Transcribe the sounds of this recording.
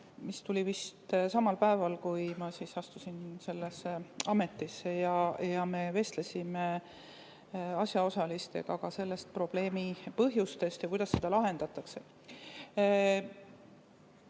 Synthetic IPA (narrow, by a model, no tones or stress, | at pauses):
mist̪ulʲivist̪sɑmɑlpæevɑlkujmɑsisɑst̪usinse̞lːesːeɑme̞t̪ːˑisːejɑjɑme̞ve̞st̪le̞sʲime̞ | ɑsjɑo̞sɑlist̪e̞̰ɡ̥ɑkɑse̞lːe̞st̪̚pro̞b̥le̞ːmipɤɦjust̪e̞st̪jɑkujd̪̥ɑsːe̞d̪̥ɑlɑɦe̞nd̪̥ɑt̪ˑɑkse̞